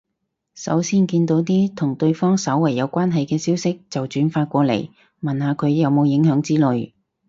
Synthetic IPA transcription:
sɐ̰˨˥wsiː˥nkiː˧nt̪o˨˥wt̪iː˥t̪ʰʊ˨˩ŋt̪ɵ˧ɥfɔː˥ŋsɐ˨˥wːɐ˨˩jːɐ˨˧wkʷaː˥nɦɐ˨jkɛː˧siː˥wsɪ˥k̚t͡sɐ˨wt͡ʃyː˨˥nfaː˧t̚kʷɔː˧lḛ˨˩j | mɐ˨nhaː˨˧kʰɵ˨˧ɥjɐ˨˧wmo˨˧wjɪ˨˥ŋɦœː˨˥ŋt͡siː˥lɵ˨˧ɥ

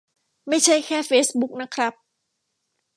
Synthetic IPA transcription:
ma˥˩jt͡ɕʰa˥˩jkʰɛː˥˩feː˦˥sbu˦˥k̚na˦˥kʰɾa˦˥p̚

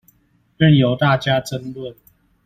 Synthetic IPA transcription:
ʈ͡ʂə˥˨njo˨˦ʊt̪a˥˨t͡ɕja˦ʈ͡ʂə˥˦nlwə˥˨n

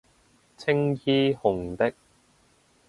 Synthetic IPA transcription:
t͡sʰɪ˥ŋjiː˥hʊ˨˩ŋt̪ɪ˥k̚

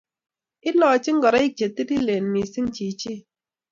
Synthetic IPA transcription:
i˦lɔː˨t͡ʃi˦ŋ̩˦ɡɔ˨ɾa˦i˦t͡ʃe˨ti˦di˦le˨n˨mi˨si˦ŋ̩˦t͡ʃi˨t͡ʃi˦

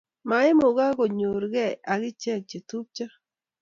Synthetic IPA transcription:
ma˨ɪ˦mo˨ɡa˦ɡo˨ɲo˨ɾɡɛ˦˨a˨ɡɪ˦t͡ʃɛ˦˨k̚t͡ʃe˨tu˦p̚t͡ʃa˦

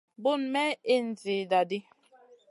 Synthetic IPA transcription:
bu˦˨nmɛ˦e˦n̩˨d͡zi˨da˨di˦

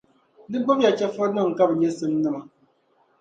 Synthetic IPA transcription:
nɨ˦ɡ͡ba˦m˦ja˨t͡ʃɛ˦fa˦nɨ˦˨ŋ̩˨ka˦bɛ˨ɲɛ˦sɨ˦mnɨ˦ma˨

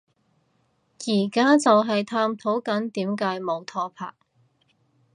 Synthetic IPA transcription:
jiː˨˩kaː˥t͡sɐ˨wɦɐ˨jt̪ʰaː˧mt̪ʰo˨˥wkɐ˨˥nt̪iː˨˥mkaː˨˥jmo˨wt̪ʰɔː˧pʰa̰ː˨˩k̚

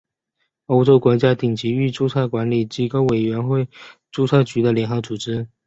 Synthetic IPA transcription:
o˥ʊʈ͡ʂo˥ʊkwɔ˧˥t͡ɕja˥t̪i˨˩ŋt͡ɕi˧˥y˥˧ʈ͡ʂu˥˧t͡sʰa˥˩ɪkwa˧˥nli˨˩t͡ɕi˧˥ko˥ʊwe˨˩ɪɥɛ˧˥nxwe˥˧ɪ | ʈ͡ʂu˥˧t͡sʰa˥˩t͡ɕy˧˥d̪ə˨ljɛ˧˥ŋxɤ˧˥ʊt͡su˨˩ʈ͡ʂɻ̩˥

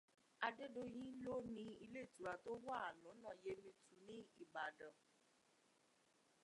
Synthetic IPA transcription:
a˧de˦do˧j̃ĩ˦lo˦nĩ˧i˧le˦˨tu˨ɾa˧˨to˦wa˦a˨lũ˨˦nã˦˨je˧˦mĩ˧tu˨nĩ˦i˦˨ɡ͡ba˨dɔ̃˨

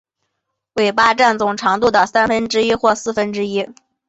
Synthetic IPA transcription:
we˨˩ɪpa˥˧ʈ͡ʂa˥˩nt͡sʊ˨˩ŋʈ͡ʂʰɑ˧˥ŋt̪u˥˧d̪ə˨˩sa˥nfə˥nʈ͡ʂɻ̩˥i˥xwɔ˥˧sɹ̩˥˩fə˥nʈ͡ʂɻ̩˥i˥

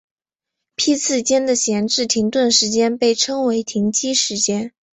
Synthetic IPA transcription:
pʰi˥t͡sʰɹ̩˥˩t͡ɕjɛ˥nd̪ə˨ɕjɛ˧˥nʈ͡ʂɻ̩˥˩t̪ʰi˧˥ŋt̪wə˥˩nʂɻ̩˧˥t͡ɕjɛ˥npe˥˩ɪʈ͡ʂʰɤ˥ŋwe˧˥ɪt̪ʰi˧˥ŋt͡ɕi˥ʂɻ̩˧˥t͡ɕjɛ˥n

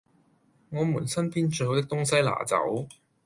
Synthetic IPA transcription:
ŋɔː˨˧muː˨˩nsɐ˥npʰiː˥nt͡ʃɵ˧jɦo˨˧wt̪ɪ˥kt̪ʊ˥ŋsɐ˥jla̰ː˨˩t͡sɐ̰˨˥w

